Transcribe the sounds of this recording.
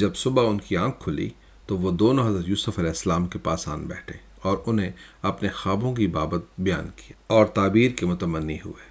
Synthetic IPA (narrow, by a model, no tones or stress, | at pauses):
d͡ʒɐbsʊbaʊnkiãːkʰːʊlḭ | t̪oʋod̪oːnõɦɐzɾət̪juːsəfɐlɛːɪsəlaːmkepaːsa̰ːnbɛ̰ːʈʰeː | ɔːɾʊnɦẽɐpnexaːbõkibaːbət̪̚bɐja̰ːnkijaːɔːɾt̪aːbiːɾkemʊt̪əmənːiɦʊ̰eː